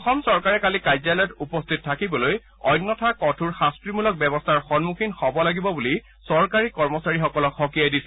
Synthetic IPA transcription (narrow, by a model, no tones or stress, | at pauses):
ɔxɔmsɔɹkaɹɛkalikajzalɔjɔtupɔstʰit̚tʰːakibɔloj | ɔjnːɔtʰakɔtʰuɹxastɹimulɔk̚bɛbɔstʰaɹxɔnmuxinxɔbɔlaɡibɔbuli | sɔɹkaɹikɔɹmɔsaɹixɔkɔlɔkxɔkijajdisɛ